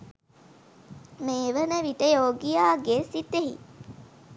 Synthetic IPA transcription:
meːʋənəʋit̪əjoːɡijaːɡesit̪eɦḭ

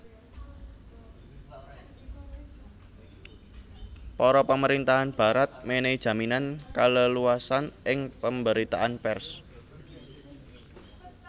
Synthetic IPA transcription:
pɔɾɔpəməɾint̪aɦanb̥a̤ɾat̪̚mened̥ʒ̥ä̤minankaləluasanʔɪŋpəmbəɾit̪a̰ʔanpɛrs

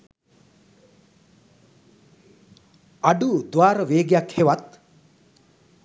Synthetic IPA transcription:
aɖud̪ʋaːɾəʋeːɡjakheʋat̪

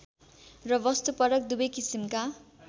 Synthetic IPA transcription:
rʌbʌst̪upʌɾʌk̚d̪ubʌjkisimka

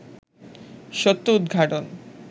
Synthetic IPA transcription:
ʃot̪ːoud̪̚ɡʱaʈon

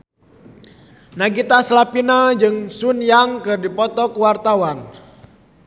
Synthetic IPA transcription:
naɡit̪aslapinad͡ʒɨŋsunjaŋkɨrdipɔt̪ɔkuwart̪awan

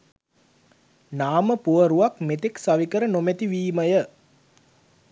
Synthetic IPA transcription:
naːməpuʋəɾuʋakmet̪eksaʋikəɾənomet̪iʋiːməjə

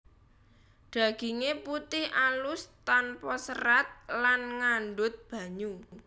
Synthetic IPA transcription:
ɖ̪̥ä̤ɡ̥iŋeput̪ɪhʔalʊst̪anpɔsəɾat̪̚lanŋaɳɖʊt̪̚b̥ä̤ɲu

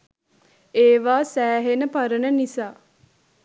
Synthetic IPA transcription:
eːʋaːsæːɦenəpaɾənənisaː

